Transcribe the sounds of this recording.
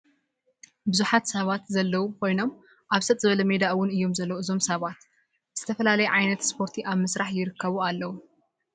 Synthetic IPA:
bɨzuħat̪sɐβat̪zɐlːɐwukʰo̞jno̞m | ʔaβsɐt̪ʼzɨβɐlɐme̞d̪aʔwʊnɨjːo̞mzɐlːɐwuɨzo̞msɐβat̪ | z̥ɨt̪ʰɐfɐlalɐjɛʕajnɐt̪spʰo̞ɾt̪ʰiʔaβmɨsɾaħjɪɾɨkʰːɐβualːɐwu

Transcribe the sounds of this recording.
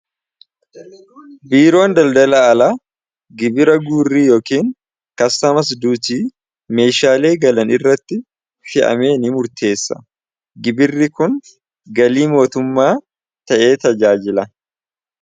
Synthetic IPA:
biːɾo̞ːnd̪ɐld̪ɐlaɐlaː | ɡɪbɪɾɐɡuːrːiːjo̞ːkiːŋ | kɐsːɐmɐs̬d̪uːt̪iː | me̞ːʃaːle̞ːɡɐlɐnɪrːɐt̪ːɪ | fɪʔɐ̰me̞ːnɪmʊɾt̪ʰe̞ːsːɐ̥̰ | ɡɪbɪrːɪkʊn | ɡɐliːmo̞ːt̪ʊmːaː | t̪ɐʔe̞ːt̪ɐd͡ʒaːd͡ʒɪlɐ

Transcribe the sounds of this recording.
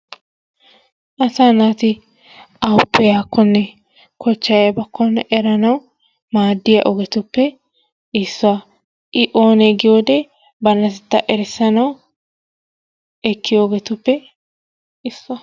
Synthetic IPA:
ʔɐsanaːt̪ɪ | ɐwʊpːɛjaːkʰːɔnːɛ | kʰɔt͡ʃːɐjɐbɐkʰːɔnːɛʔɛɾɐnɐw | maːd̪ːɪjɐ̰ʔɔɡɛt̪ʊpːɛ | ɪsːʊɐ | ʔɪʔo̞ːnɛɡɪjoːd̪ɛ | bɐnːɐt̪ɛt̪ːɐʔɛɾɛsːɐnɐw | ɛkʰːɪjoɔɡɛt̪ʊpːɛ | ɪsːʊɐ

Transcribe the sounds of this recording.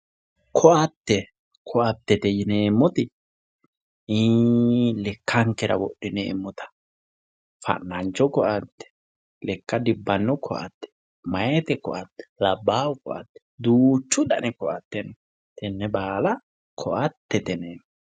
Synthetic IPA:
kʰɔʔɐt̪ːɛ | kʰɔʔɐt̪ːɛt̪ɛjɪneːmːɔt̪ɪ | lɛkːɐŋkɛɾɐ̰wɔɗːɪnḛːmːɔt̪ɐ̥ | fɐ̰nːɐnt͡ʃːɔkɔʔɐt̪ːɛ̥ | lɛkːɐd̪ɪbːɐnːɔkʰɔʔɐ̰t̪ːɛ̥ | mɐjɛt̪ɛkɔʔɐt̪ːɛ̥lɐbːaːwʊkɔʔɐ̰t̪ːɛ̥d̪uːt͡ʃːʊᶑɐnɛkɔʔɐ̰t̪ːɛn | t̪ɛnːɛbaːlɐ | kʰɔʔɐt̪ːɛt̪ɛneːmː

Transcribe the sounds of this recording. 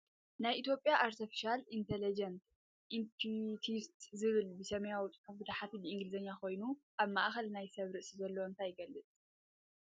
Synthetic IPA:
najʔit̪ʰjo̞pʼjaʔaɾt̪ʰifi̥ʃalint̪ʰelid͡ʒɐnt̪ | ʔimpʰit̪ʰist̪zɨβɨlbɨsɐmɐjawt͡sʼħɐfbɨt̪ʰaħat̪ʰilɨʔiŋɡlɨzɐɲːakʰo̞jnuʔaβma̰ʔxɐlnajsɐβɾɨʔsizɐlːoɨnt̪ʰajɪɡɐlːɨt͡sʼ

